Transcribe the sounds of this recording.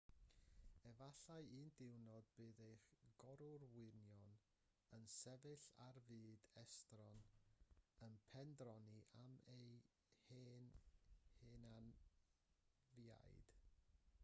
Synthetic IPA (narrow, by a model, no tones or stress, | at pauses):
ɛvaɬaɨɨːndɪwnɔd̚b̥ɨːðejχɡ̥ɔɾʊrwɪnjɔn | ənsɛvɨɬa̰rvɨːdɛstrɔn | ənpʰɛndrɔniʔamej | heːnheːnan | vja̰jd̥